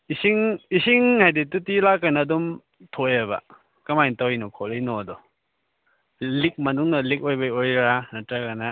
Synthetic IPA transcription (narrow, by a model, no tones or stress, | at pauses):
isiŋisiŋhajditutilakːanaːdum | tʰojabɐ̰ | kɐmajntawɔjnɔkʰɔlejnɔdɔ | lik̚mɐnuŋnɐlik̚ojbajojɾanatɾaɡana